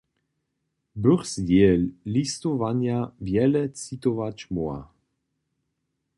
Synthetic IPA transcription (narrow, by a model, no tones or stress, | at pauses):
bøʁsdɛɛlːist̪ovanjavjɛlɛt͡sit̪ovat͡ʃmɔa̰